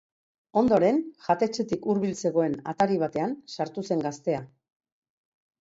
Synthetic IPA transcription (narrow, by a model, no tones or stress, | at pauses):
o̞nd̪o̞ɾe̞nʝat̪e̞t͡se̞t̪ikuɾβ̞ilt͡se̞ɣo̞e̞nat̪aɾiβ̞at̪e̞ansaɾt̪use̞ŋɡast̪e̞a